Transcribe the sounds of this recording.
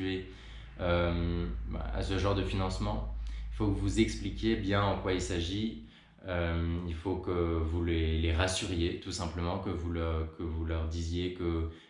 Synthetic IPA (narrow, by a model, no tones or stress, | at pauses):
e | ømba̰a̰səʒɑ̃ʁd̪əfinɑ̃smɑ̃ifokəvuzɛksplikʲjebjɛ̃ɑ̃kwailsaʒi | ømilfokəvuleleʁasyʁjet̪usɛ̃pləmɑ̃kəvulkəvulœʁd̪izjekə